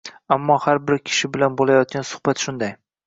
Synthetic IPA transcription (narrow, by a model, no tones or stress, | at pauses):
amːɒhaɾbɪɾkʲʰɪ̥ʃɪbɪlanbolˠajɒt̪̚kʲansʊ̥hbat̪ʃʊnd̪aj